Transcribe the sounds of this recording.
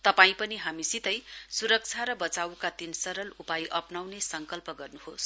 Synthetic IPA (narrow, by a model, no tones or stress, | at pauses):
t̪ʌpaĩpʌniɦamisit̪ʌjsuɾʌk̚t͡sʰaɾʌbʌt͡sawkat̪insʌɾʌlupajʔʌpnawnesʌŋkʌlpʌɡʌrnuhos